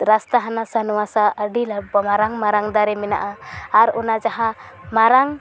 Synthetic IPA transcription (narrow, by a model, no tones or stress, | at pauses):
ɾast̪aɦanasanuasaaɖilabɔmaɾaŋmaɾaŋd̪aɾiminaʔaaɾunad͡ʒaɦa | maɾaŋ